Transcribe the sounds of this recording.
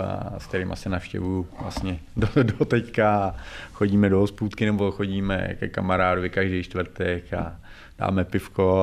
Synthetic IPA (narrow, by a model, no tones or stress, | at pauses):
a̰sk̚t̪ɛɾiːmʔa̰sɛnafʃcɛ̰vujuvla̰st̪ɲɛdodot̪ɛckaxoɟiːmɛdoɦospuːt̪kɪnɛbo̞xo̞ɟiːmɛ̰kɛ̰kamaɾaːdovɪkaʒdɛjt͡ʃt̪vɾ̩t̪ɛka | d̥a̰ːmɛpɪfko